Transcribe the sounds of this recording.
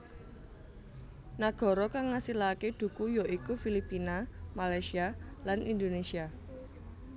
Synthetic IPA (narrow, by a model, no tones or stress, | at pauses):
naɡ̥ɔ̤ɾɔkaŋːasilaked̪̥ṳkujɔʔikufilipinamalajsialanind̪onesia